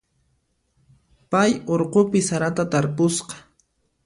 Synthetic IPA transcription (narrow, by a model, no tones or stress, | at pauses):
pajoɾqopɪsaɾat̪at̪aɾpʊsqɑ̥